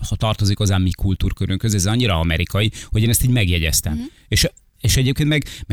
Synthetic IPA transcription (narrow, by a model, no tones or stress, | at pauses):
hɒt̪ɒrt̪o̞zikɒzaːmːikʰult̪uːrkøɾʔøŋkøzɛzɒɲːiɾɒɒmɛɾikɒjiho̞ɟeːnɛst̪iːɟmɛɡjɛɟɛst̪ɛm | eʃ | eːʃɛɟeːpkent̪mɛɡm